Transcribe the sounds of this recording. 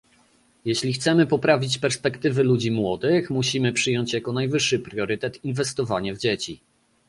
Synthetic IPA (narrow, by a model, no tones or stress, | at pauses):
jeɕlʲixt̪sɛmɘpɔpɾavʲit͡ɕpɛɾspɛkt̪ɘvɘlud͡ʑimwɔd̪ɘxmuɕimɘpʂɘjɔɲt͡ɕjakɔnajvɘʂːɘpɾʲjɔɾɘt̪ɛt̪invɛst̪ɔvaɲɛvd͡ʑet͡ɕi